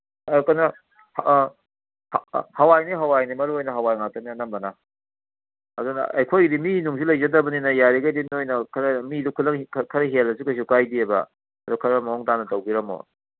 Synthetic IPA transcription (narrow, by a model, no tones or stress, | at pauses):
kɐnɐ | h | hhɐwajniɦɐwajnimɐɾuojnɐɦɐwajŋak̚tɐninɐmbɐna | adun̰ɐ̰jkʰojdiminuŋsulɐjd͡ʒɐdɐbɐninɐjaɾiɡɐjdimiojnɐkʰɾɐmidukʰulɐŋkʰkʰɐɾɐɦelɐs̬ukɐs̬ukajdiebɐ̰ | ɐdukʰɐɾɐmɐɔŋtanɐtɐwɡiɾɐmo̰